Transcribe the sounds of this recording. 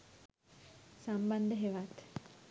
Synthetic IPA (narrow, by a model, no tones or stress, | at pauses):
samband̪əɦeʋat̪